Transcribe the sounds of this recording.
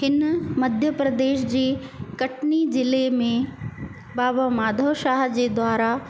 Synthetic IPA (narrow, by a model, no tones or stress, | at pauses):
ɦɪnmɐd̪ʱjəpɾɐd̪eːʃd͡ʑeːkɐʈnid͡ʑɪlemẽ | baːbəmaːd̪ʱəʃaːɦd͡ʑeːd̪waːɾa